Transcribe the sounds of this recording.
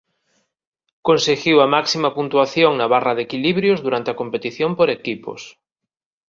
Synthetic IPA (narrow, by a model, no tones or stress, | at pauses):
kõnseɣiwamaksimapunt̪waθjoŋnaβ̞araðekiliβɾjozðuɾant̪eakompet̪iθjompoɾekipo̰s